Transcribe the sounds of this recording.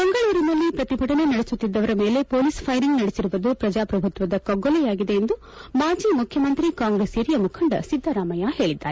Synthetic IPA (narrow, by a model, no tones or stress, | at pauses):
mɐŋɡɐɭuːɾinɐlːipɾɐt̪ibʱɐʈɐne̞nɐɽesut̪ːid̪ːɐʋɐɾɐme̞ːle̞poːliːspʰɐjɾiŋɡnɐɽesiɾuʋɐd̪upɾɐd͡ʒaːpɾɐbʱut̪ʋɐd̪ɐkɐɡːɔlɛjaːɡid̪e̞ːnd̪u | maːd͡ʒiːmukʰjɐmɐnt̪ɾikaːŋɡɾeːsiːɾijɐmukʰɐɳɖɐ̰sid̪ʱːɐɾaːmɐjahe̞ːɭid̪ːaːɾe